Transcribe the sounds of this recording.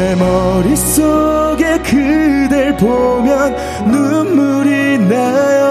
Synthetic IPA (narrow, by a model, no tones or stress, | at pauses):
emʌɾisoɡe̞kɯd̪ɯɭpomjʌnː | umːuɾinejo